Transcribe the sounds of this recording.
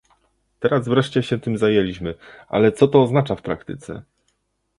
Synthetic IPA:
t̪ɛɾazvɾɛʂt͡ɕɛɕɛt̪ɘmzajelʲiɕmɘʔa̰lɛt̪sɔt̪ɔːznat͡ʂafpɾakt̪ɘt̪sɛ̰

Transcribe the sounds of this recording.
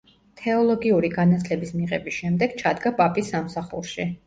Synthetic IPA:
t̪ʰɛɔlˠɔɡiuɾiɡanat̪sʰlɛbismiʁɛbisʃɛmd̪ɛɡ̥t͡ʃʰad̪ɡapʼapʼisːamsaχṵɾʃi

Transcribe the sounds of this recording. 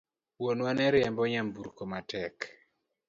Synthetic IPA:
wonwanɛɾɛmbɔɲambuɾkomatɛk

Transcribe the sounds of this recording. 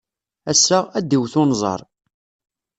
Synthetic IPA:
æsːææd̪iwθʊnzˤɑ̰ɾˤ

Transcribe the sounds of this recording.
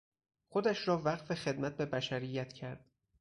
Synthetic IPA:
xo̞d̪æʃɾɒːvæɢfe̞xe̞d̪mæt̪̚be̞bæʃæɾijːæt̪ʰcʰæɾd̪̥̚

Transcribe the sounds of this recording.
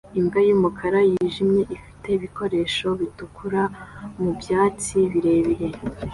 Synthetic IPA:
imɡajumukʰaɾajiːʒimɲe̞ʔifi̥te̞iβiko̞ɾe̞ːʃo̞βitukʰuɾamubjaːt͡siβiɾe̞βiɾe

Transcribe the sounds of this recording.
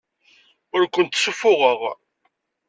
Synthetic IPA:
ʊɾkʷːənt̪ːsufʊʁəʁ

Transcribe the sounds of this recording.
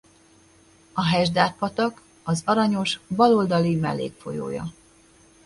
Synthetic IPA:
ɒɦɛʒd̪aːt̪̚pɒt̪ɒk | ɒzɒɾɒɲo̞ʃbɒlo̞ld̪ɒlimɛ̰lːḛːkfo̞̰jo̰ːjɒ̰

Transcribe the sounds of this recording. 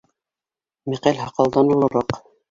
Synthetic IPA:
mæqælʲɦɑqɑlˠd̪ɑnŭlˠɤ̆ɾɑq

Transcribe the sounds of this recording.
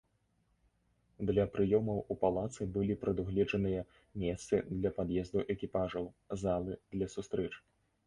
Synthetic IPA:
d̪lʲɐpɾɨjɔmɐwupalˠat̪sɨbɨlʲipɾɐd̪uɣlʲɛd͡ʐɐnɨjɐ | mʲɛst̪sɨd̪lʲɐpad̪jɛzd̪uʔɛkʲipaʐɐw | zalˠɨd̪̥lʲɐsust̪ɾɛt͡ʂ

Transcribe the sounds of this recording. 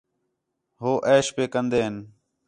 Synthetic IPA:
ɦoːʔeːʃpeːkənd̪eːɦɪn

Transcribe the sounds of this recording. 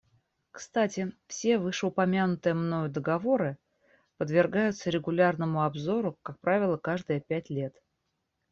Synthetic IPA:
kst̪atʲɪfsʲe̞vɨʂɨʊpɐmʲanʊt̪ɨjəmno̞jʊd̪əɡɐvo̞ɾɨ | pəd̪vʲɪrɡajʊt̪səɾʲɪɡʊlʲarnəmʊɐbzo̞ɾʊkak̚pɾavʲɪlˠəkaʐd̪ɨjəpʲætʲlʲe̞t̪

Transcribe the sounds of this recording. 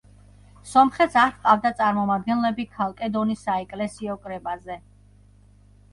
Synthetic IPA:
sɔmχɛt̪saχqʼavd̪at̪sʼaɾmɔmad̪̚ɡɛnlɛbikʰalˠkʼɛd̪ɔnisaɛkʼlɛsiɔkʼɾɛbazɛ

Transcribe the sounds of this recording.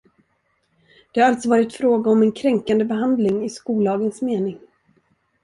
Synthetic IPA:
d̪̥ɛhaɾalt̪sɔvɑːɾɪt̪fɾoːɡaɔmɛnkʰɾɛŋkand̪əbɛɦand̪lɪŋɪskuːlɑːɡənsmeːnɪŋ

